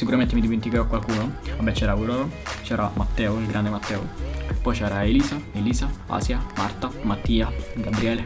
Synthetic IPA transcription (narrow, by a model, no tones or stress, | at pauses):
sikuɾament̪ɪmid̪iment̪ikɛɾɔkːwalkuːnoabːɛt͡ʃːɛːɾauɾɔt͡ʃɛːɾamat̪ːɛːoilɡɾʔand̪emat̪ːɛːo̰pːɔjt͡ʃɛːɾaeliːsaeliːsaa̰sjama̰rt̪amat̪ːiːaɡabɾiɛːle